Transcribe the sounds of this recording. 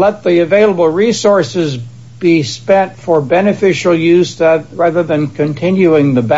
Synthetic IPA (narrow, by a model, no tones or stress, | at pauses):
lɛt̪̚ðiɨveɪlˠəbl̩ˠɹisɔɹsɪz | b̥ispɛ̃ntfə˞bɛnɨfɪʃl̩ˠjʉzðɨt̚ɹæðə˞ðɨ̃nkʰɨ̃ntʰɪ̃njʉɪ̃ŋðɨb